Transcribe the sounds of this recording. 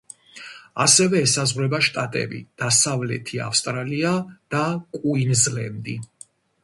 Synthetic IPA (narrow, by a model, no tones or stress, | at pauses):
a̰sɛvɛːsazʁwɾɛbaʃt̪ʼat̪ʼɛ̰bḭd̪̥asavlɛ̰t̪ʰia̰fst̪ʼɾaliad̪̥akʼuinzlɛmd̪i